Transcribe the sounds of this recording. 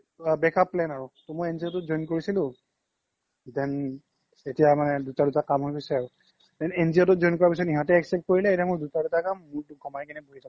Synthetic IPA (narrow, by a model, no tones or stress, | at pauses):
bɛkapːlɛnaɹʊtɔmojenziɔtɔtzɔjnkoɹisilʊ̃ | dɛn | etijamanɛdutadutakamɦojpisɛaɹʊ | tɛnenziɔtɔtzɔjnkɔɹapis̬ɔtiɦãtɛɛksɛp̚t̚koɹilɛetamʊɹdutadutakamːʊɹtʊɡʱɔmajkɛnɛbʱoɦitʰa